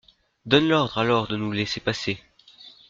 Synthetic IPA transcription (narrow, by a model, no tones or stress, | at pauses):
d̪ɔnlɔʁd̪ʁalɔʁd̪ənulesepase